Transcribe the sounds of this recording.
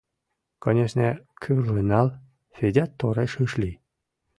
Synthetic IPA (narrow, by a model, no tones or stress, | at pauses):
konʲeʃnʲekʲʰyrlɨnɑl | fʲedʲat̪ːoɾeʃɯʃlʲi